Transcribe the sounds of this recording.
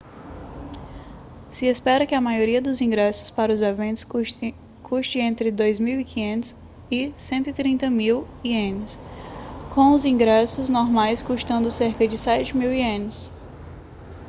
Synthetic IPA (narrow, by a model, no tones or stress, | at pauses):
sɪespɛɾɐkɪɐmajoɾiɐd̪ʊzĩɡɾɛsʊ̥spaɾɐʊzevẽnt̪ʊ̥s | kʰuʃt͡ʃɪ̃ẽnt̪ɾɪd̪ojzmiwikĩɲẽnt̪ʊ̥s | ɪsẽnt̪ʊit̪ɾĩnt̪ɐmiw | iẽnɪs | kõw̃ʊzĩɡɾɛsʊznoɾmajskuʃt̪ɐ̃nd̪ʊseɾkɐd͡ʒɪsɛt͡ʃɪmiwiẽnɪs